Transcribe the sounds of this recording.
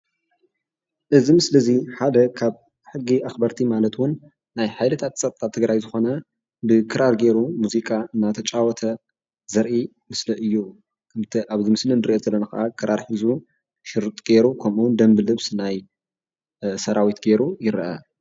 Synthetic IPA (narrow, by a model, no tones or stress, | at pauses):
ʔɨzimɨslɐziħad̪ɐkʰaβ | ħɨɡːiaxbɐɾt̪ʰimalɐt̪wʊnː | ajħajlɨt̪ʰat̪t͡sʼɐt̪ʼt̪ʼːat̪ʰɨɡɾajzɨxo̞nɐ | bɨkʰɨɾaɾɡe̞ɾumuzikʼaɨnːat̪ʰɐt͡ʃʼawɔt̪ʰɐ | zɐɾʔi | mɨslɐʔɨjːu | ɨt̪ʰʔaβzimɨslɨnɨɾʔezɐlːɐnakɐʔakʰɨɾʔaɾħɨzu | ʃɪɾt̪ʼɡ̥e̞ɾukʰɐmund̪ɐmbɨlɨβsnaj | sɐɾawit̪ɡe̞ɾujɪɾʔɐ̰